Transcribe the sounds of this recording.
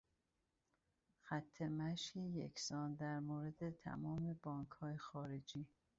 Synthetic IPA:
xæt̪ʰːemæʃkejḛksɒːnd̪æɾmoːɾed̪et̪ʰæ̰mɒːme̞bɒːŋkʰhɒːjexɒːɾed͡ʒiː

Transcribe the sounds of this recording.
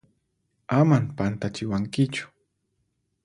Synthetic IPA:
amampant̪at͡ʃɪwaŋkɪt͡ʃʊ̥

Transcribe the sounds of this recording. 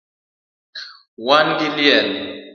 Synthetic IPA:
wanɡiljɛl

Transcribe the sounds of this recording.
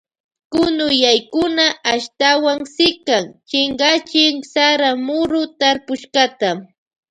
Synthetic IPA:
kʊnʊjajkʊnaʔaʃt̪awaŋsɪkaŋt͡ʃɪŋɢat͡ʃɪŋsaɾamʊɾʊt̪aɾpʊʃkɑt̪a

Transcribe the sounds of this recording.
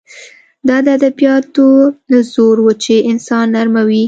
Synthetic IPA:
d̪ɑd̪əad̪abijɑt̪ozoɾwut͡ʃeʔɪnsɑnːaɾmawi

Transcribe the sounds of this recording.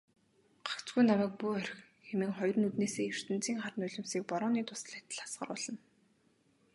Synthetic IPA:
ɢ̥ḁkt͡sɡujnawæːk̚puœɾxxemɘ̆ŋχɔjrnut̪neːseːjɵr̥t̪ɘ̆n̥t͡siːŋχaɾ̆nʊɮʲɪ̆msiːk̚pɔɾɔːniːt̪ʊ̥s̆ɮæt̪ə̆ɮḁsɢə̰̆rʊ̰ːɮə̆n

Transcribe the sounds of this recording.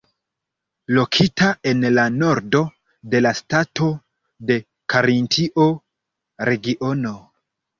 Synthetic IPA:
lo̞kʰitae̞nlano̞ɾdo̞ | de̞lastato̞ | de̞ | kaɾintʰiʔo | ɾe̞ɡiʔo̞no̞

